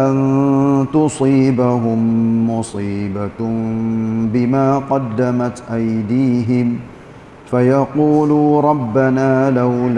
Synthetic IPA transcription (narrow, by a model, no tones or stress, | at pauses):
ʔant̪ʊsˤiːbaɦʊmːʊsˤiːba | bɪmaːqɑd̪ːamat̪ʔajd̪iːɦɪm | fajɑquːluːɾˤɑbːanaːlawl